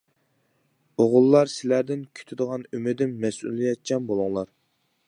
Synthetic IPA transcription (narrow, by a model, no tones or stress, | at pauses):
oʁʊlˠːɑɾsɪlæɾd̪ɪnkʲʰy̥t̪ʰyd̪əʁɑnymɪd̪ɪmːɛsṵlˠijɛt̪̚t͡ʃʲʰɛnbolˠʊŋlˠɑɾ